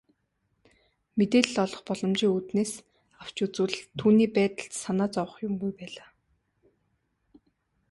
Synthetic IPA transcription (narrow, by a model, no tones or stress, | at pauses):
met̪eːɮ̆ɮɔɮɞ̆χpɔɮɞ̆mt͡ɕiːŋut̪neːs | aw̥t͡ɕut͡sŭɮt̪ʰːuːniːpæːt̪ə̆ɬt̪sanaːt͡sɔwə̆χjʊmɡujpæːɮaː